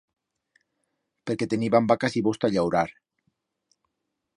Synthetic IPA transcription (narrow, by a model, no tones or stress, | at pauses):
peɾket̪eniβambakasiβost̪aʎawɾaɾ